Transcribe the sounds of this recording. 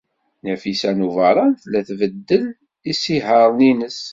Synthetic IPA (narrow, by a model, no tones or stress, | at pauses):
næfisænuvɑɾˤɑnθlæθvəd̪ːəl | isiɦəɾˤninəs